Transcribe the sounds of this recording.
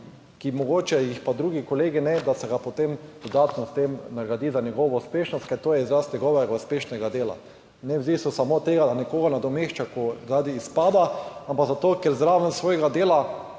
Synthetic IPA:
kimɔɡoːt͡ʃɛjixpad̪ɾuːɡikoleːɡinɛd̪asɛɡapot̪emd̪ɔd̪aːt̪nɔst̪emnaɡɾad̪iːzanjɛɡɔʋɔuspeːʃnɔst̪kajt̪t̪oːjɛizɾast̪nɲɛɡɔʋɛɡɐuspeːʃnɛɡad̪eːla̰ | nɛwzisɔsamot̪eːɡanɛkoːɡanad̪ɔmeʃt͡ʃakozaːd̪iːspaːd̪aampaɡzat̪oːkɛɾzd̪ɾaːʋɛnsʋoːjɛɡad̪eːla

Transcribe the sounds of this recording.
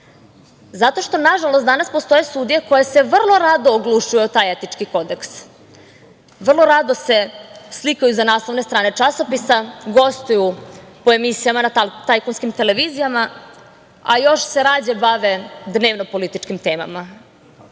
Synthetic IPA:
zat̪o̞ʃt̪o̞naʒalost̪d̪anaspo̞st̪o̞je̞st̪uːd̪ijeko̞jese̞ʋr̩lˠo̞ɾad̪oːɡlˠuʃujut̪aːjet̪it͡ʂkiko̞d̪e̞ks | ʋr̩lˠo̞ɾad̪o̞se̞slikajuzanaːslˠo̞ʋnest̪ɾaːne̞t͡ʂasopisaɡo̞st̪ujupoe̞misijamanat̪ajkonskimt̪e̞le̞ʋiːzijama | ajo̞ʃse̞ɾaːd͡ʑebaʋe̞d̪ne̞ːʋnopo̞lit̪it͡ʂkimt̪eːma̰ma

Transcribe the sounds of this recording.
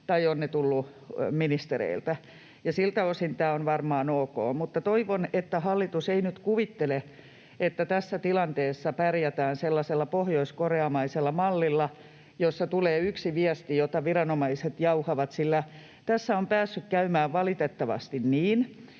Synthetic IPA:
t̪ɑionnet̪ulːu | minist̪erḛilt̪æ | jɑsilt̪æosint̪æːonʋɑrmɑːnoːko̰ːmut̪ːɑt̪oiʋonet̪ːæhɑlːit̪useinyt̪kuʋit̪ːele | et̪ːæt̪æsːæt̪ilɑnt̪eːsːɑpærjæt̪æːnselːɑselːɑpohjoiskoreɑmɑiselːɑmɑlːilːɑ | josːɑt̪uleːyksiʋiæst̪ijot̪ɑʋirɑnomɑiset̪jɑuhɑʋɑt̪silːæ | t̪æsːæompæːsːykkæymæːʋʋɑlit̪et̪ːɑʋɑ̰st̪inniːn

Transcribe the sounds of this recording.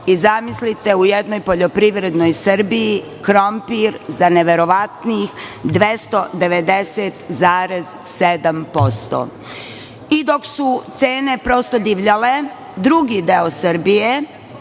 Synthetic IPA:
izamislit̪e̞ujed̪nojpoʎo̞pɾiʋɾe̞d̪no̞jsɨɾ̩biji | kɾompiɾzaneʋe̞ɾo̞ʋat̪niːxd̪ʋest̪o̞d̪e̞ʋe̞d̪eset̪zaːɾezsed̪ampo̞st̪o̰ | id̪o̞ksut̪seːne̞pɾo̞st̪o̞d̪iʋʎale̞ | d̪ɾuɡid̪eosɨɾbije

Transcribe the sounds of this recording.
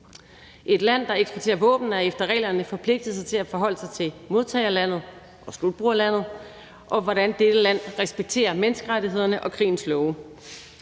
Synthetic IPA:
ʔe̝d̥læn̰d̥ɑ̈eɡ̥sb̥ʰot͡sʰe̝̰ːɐʋɔ̰ːb̥n̩æɐefd̥ɐʁɛ̰ːlɐnəfɒ̽pʰle̝ɡ̥̚d̥ð̩ˠs̬ɑ̈ɪt͡sʰe̝læfɒ̽ɦɒ̽l̰əsɑ̈ɪt͡sʰe̝lmo̝ð̞ˠt͡sʰɛɪɐlæn̰ð̩ˠ | ʔɒ̽slud̥̚b̥ʁuːɐlæn̰ð̞̩ˠ | ʔɒ̽ʋɒɾænd̥ed̥əlæn̰ʁɛsb̥eɡ̥̚t͡sʰe̝̰ːɐmensɡ̥əʁaɾiɦe̝ð̞̰ˠɐnəʔɒ̽kʰʁḭːn̩slɔʊə

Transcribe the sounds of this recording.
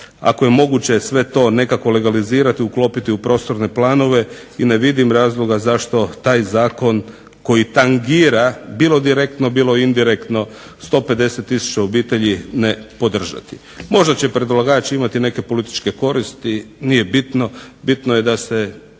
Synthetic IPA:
a̰ko̞je̞mo̞ɡut͡ɕe̞sʋe̞t̪o̞ːne̞kako̞le̞ɡaliziːɾat̪iuklˠo̞ːpit̪iupɾo̞ːst̪o̞ɾne̞plˠaːno̞ʋe̞ | ine̞ʋid̪imɾaːzlˠo̞ɡazaʃt̪o̞t̪aːjzaːko̞n | ko̞jit̪aŋɡiːɾabiːlo̞d̪iɾe̞k̚t̪nobiːlˠo̞jeind̪iɾekt̪no̞ | st̪o̞ːpe̞d̪e̞se̞t̪ːisu̥t͡ʃaobiːt̪e̞ʎine̞po̞d̪r̩ʒa̰t̪i̥ | mo̞ʒd̪at͡ɕe̞pɾed̪ulˠaɡaːt͡ɕeimat̪ine̞ke̞po̞lit̪i̥t͡ʃke̞ko̞ɾist̪inije̞bit̪no̞bit̪noje̞d̪ase̞

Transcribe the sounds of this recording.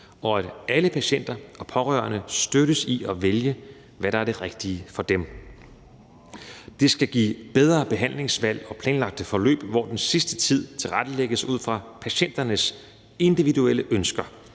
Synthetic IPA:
ɒ̽æd̥æləpʰæɕen̰d̥ɐɒ̽pʰɒ̽ʁœ̰ːɐnəsd̥øɾ̥əsiʔɒ̽ʋeljə | ʋæɾ̥ɑ̈æɐɾ̥e̝ʁɛɡ̥d̥iəfɒ̽d̥em | d̥e̝sɡ̥æɡ̥ḭːb̥eð̞ˠʁɐːb̥e̝ɦæn̰le̝ŋsʋæl̰ɒ̽pʰlɛːnlɑ̈ɡ̥̚d̥əfɒ̽lø̰ːb̥ʋɒ̰d̥ensisd̥ət͡sʰið̞̰ˠt͡sʰe̝lʁad̥əleɡ̥əsuð̰ˠfʁɑ̈pʰæɕen̰d̥ɐnəs | e̝nd̥iʋiðuel̰əʔønsɡ̥ɐ

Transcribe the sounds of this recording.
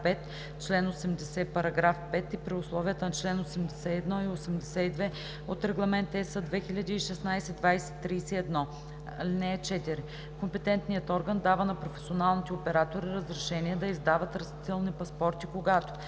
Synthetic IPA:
pɛt̪ | t͡ʃlɛnosɛmd̪ɛsɛpɐɾɐɡɾafpɛt̪ipɾiʊslˠɔviət̪ənɐt͡ʃlɛnosɛmd̪ɛsɛɛd̪nɔiosɛmd̪ɛsɛid̪vɛ | ot̪ɾɛɡlˠɐmɛnt̪ɛsəd̪vɛxilʲɐd̪iːʃɛsnajsɛd̪vajsɛt̪ːɾijsɛɛd̪nɔ | linɛːt͡ʃɛt̪iɾi | kompɛt̪ɛnt̪nijət̪ɔɾɡənd̪avənɐpɾofɛ̥sionalˠnit̪ɛopɛɾat̪oɾiɾəzɾɛʃɛniɛd̪ɐizd̪avət̪ɾɐst̪it̪ɛlˠnipɐspɔɾt̪ikoɡat̪o̥

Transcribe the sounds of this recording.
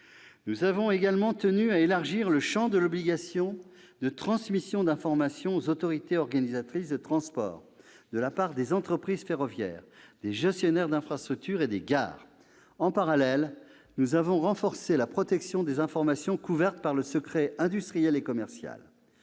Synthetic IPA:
nuzavɔ̃eɡalmɑ̃t̪ənyaelaʁʒiʁləʃɑ̃d̪əlɔbliɡasjɔ̃ | d̪ət̪χɑ̃smisjɔ̃d̪ɛ̃fɔʁmasjɔ̃ozot̪ɔʁit̪eɔʁɡanizat̪χisd̪ət̪χɑ̃spɔ̰ːʁ | d̪əlapaʁd̪ezɑ̃t̪χəpχiz̥feʁɔvjɛ̰ːʁd̪eʒɛst̪jɔnɛʁd̪ɛ̃fχast̪χyk̚t̪yʁed̪eɡa̰ːʁ | ɑ̃paʁalɛl | nuzavɔ̃ʁɑ̃fɔʁselapχɔt̪ɛksjɔ̃d̪ezɛ̃fɔʁmasjɔ̃kuvɛʁt̪paʁləsəkχɛɛ̃d̪yst̪χijɛlekɔmɛʁsja̰l

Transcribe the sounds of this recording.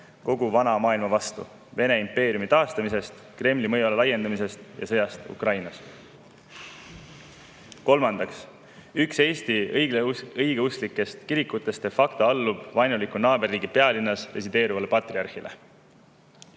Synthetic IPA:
ko̞ɡuvɑnɑmɑːilmɑvɑst̪ṵ | ve̞ne̞impe̞ːɾjumit̪ɑːst̪ɑmise̞st̪ | kre̞mlimɤjulelɑje̞nd̪̥ɑmise̞st̪jɑ̰sɤ̞jɑst̪ṵkrɑjnɑs | ko̞lmɑnd̪̥ɑks | ykse̞ːst̪ijɡleɤjɡ̥e̞uslikːˑe̞st̪kiɾikːˑut̪ːˑe̞st̪efɑkt̪oɑlːub̥vɑjnulikːˑunɑːbe̞rːiːɡipe̞ɑlinːɑsre̞s̬id̪e̞ːɾuvɑle̞pɑt̪riɑrhilʔe̞̰

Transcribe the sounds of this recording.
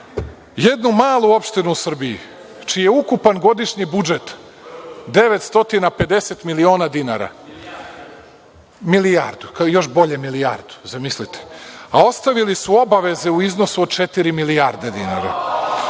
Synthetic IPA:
je̞d̪numaːlˠuo̞pʃt̪inuːsr̩biḭ | t͡ʃiːjeukupanɡo̞d̪iʃɲibud͡ʒet̪ | d̪e̞ʋet̪st̪o̞t̪inape̞d̪e̞se̞t̪milio̞ːnad̪inaɾa̰ | milija̰ːɾd̪ukajo̞ʃbo̞ʎemilijaɾd̪u̥zamislit̪ʰe̥ao̞st̪aʋilisuo̞baʋe̞ze̞uizno̞suod̪̚t͡ʃet̪iɾimiliaːɾd̪ed̪ina̰ɾa̰

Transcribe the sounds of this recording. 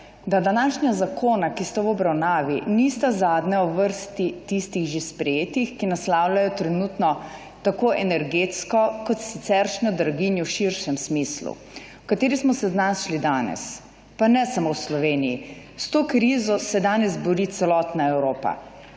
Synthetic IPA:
d̪ad̪anaʃnʲazakʰoːnakist̪awɔbɾawnaːʋinist̪azaːd̪nɛɔʋəɾst̪it̪ist̪iɣʒespɾɛjeːt̪ixkinaslawlajɔt̪ɾɛnut̪nɔ | t̪akoːʔɛnɛɾɡeːt̪skɔkɔt̪sit̪sɛɾʃnɔd̪ɾaɡinjɔwʃiɾʃɛmsmislṵ | wkat̪eːɾismɔsɛznasʃlid̪aːnɛ̰s | panɛsamowslɔʋeːnijḭ | st̪oːkɾiːzɔsɛd̪aːnɛzbɔɾit̪sɛlɔt̪naɛwɾoːpa̰

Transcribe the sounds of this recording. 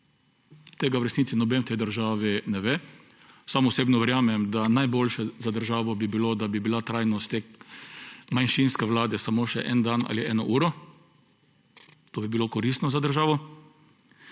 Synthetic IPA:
t̪eːɡawɾɛsnitsinɔbent̪ɛjd̪əɾʒaːʋinɛʋeː | saːmɔʊseːbnɔʋɛɾjaːmɛmd̪anajbolʃɛzad̪əɾʒaːʋɔbibilod̪abibilat̪ɾajnɔst̪e | manʃinskɛʋlaːd̪ɛsamoːʃɛʔɛ̰nd̪ana̰ːliʔɛːnɔʔuːɾɔ | t̪oːbibilokɔɾist̪nɔzad̪əɾʒaːʋɔ

